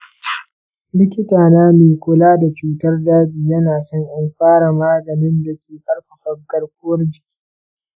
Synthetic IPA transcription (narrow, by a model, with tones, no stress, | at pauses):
lɪ˦kʲɪ˦taː˨naː˦meː˨kʷʊ˨laː˦da˨t͡ʃuː˦tɐ˦rdaː˦biː˨jɐ˦naː˨sɔ˦ŋʔɪ˦mɸaː˦ɽa˨maː˦ɡɐ˨nɪ˦nda˨kʲʰeː˨ɸɐ˦rkɐ˨ɸɐ˦rɡɐ˦ɽkʷʊ˦wɐ˦rd͡ʒɪ˨kʲʰi̥ː˦